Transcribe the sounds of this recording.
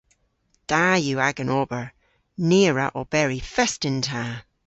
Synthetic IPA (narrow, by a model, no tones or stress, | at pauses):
d̥ajʉːaɡənʔɔbə˞ | niəɹəʔɔb̥ɛɹifɛstɪ̃ntʰa